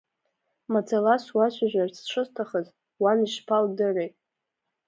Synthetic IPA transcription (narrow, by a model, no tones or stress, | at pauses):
mad͡zʰalaswaʃʷaʒʷᶣart͡sʰʈ͡ʂʷʰɨztʰaχəz | waniʃpʰaldɨrejtʼ